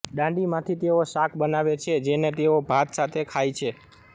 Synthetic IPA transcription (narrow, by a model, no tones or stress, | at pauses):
ɗãɖimãt̪ʰit̪eoʃakʰɓənaʋet͡ʃʰed͡ʒenet̪eobʱat̪sat̪ʰekʰajt͡ʃʰe